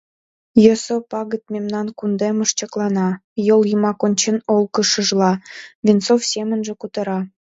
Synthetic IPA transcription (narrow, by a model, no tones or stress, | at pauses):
josopɑɣət̪̚memnɑnkund̪eməʃt͡ɕəklɑnɑjoljəmɑkonʲt͡ɕənolˠkəʃəʒlɑvʲint͡sofsʲemənʒĕkut̪ə̆ɾɑ